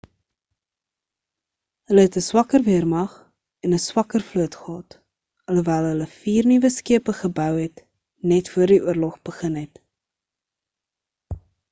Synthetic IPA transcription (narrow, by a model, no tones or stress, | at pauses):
ɦələɦɛtəswɐkərviərmɐχ | ɛnəswɐkərfluətχəɦɑt | ələvæːlˠɦələfiːrnivəskiəpəχəbœwɦɛt | nɛtfuərdiʔuərlɔχb̥əχənɦɛt